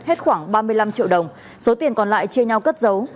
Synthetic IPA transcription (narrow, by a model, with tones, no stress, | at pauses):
he˦˥t̚xwaː˧˩ŋɓaː˧mɨ˧əjla˧mt͡ɕḭ˧˨əwɗə˨˩wŋ͡m | so˨˦t̪i˨˩ənkɔ˨˩nla̰ː˧˨jt͡ɕi˧əɲa˧wkə˦˥t̚zə˨˦w